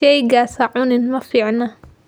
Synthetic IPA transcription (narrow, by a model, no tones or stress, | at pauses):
ejɡaːsaʕuːnɪnmafiʕna